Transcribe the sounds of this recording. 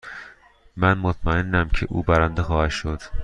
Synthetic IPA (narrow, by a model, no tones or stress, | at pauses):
mænmot̪ʰmæenːæmcʰeʔṵːbæɾænd̪exɒːhæd̪̥ʃod̪̥